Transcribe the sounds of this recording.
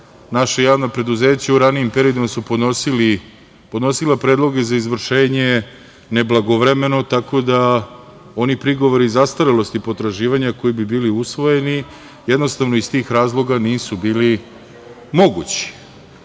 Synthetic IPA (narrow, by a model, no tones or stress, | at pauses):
naʃajaːʋnapɾe̞d̪uze̞ːt͡ɕauɾaniimpe̞ɾio̞d̪imasupoosili | pod̪no̞silˠapɾeːd̪lˠo̞ɡe̞zaizʋr̩ʃe̞ːɲe̞ | ne̞blˠaɡo̞ʋɾe̞me̞no̞t̪ako̞d̪a | o̞nipɾiɡo̞ʋo̞ɾizast̪aɾilˠo̞st̪ipo̞t̪ɾaʒiːʋaɲako̞jibibiːliusʋo̞je̞ni | jed̪no̞st̪aʋno̞ist̪iːxɾaːzlˠo̞ɡaniːsubiːli | mo̞ɡut͡ɕi̥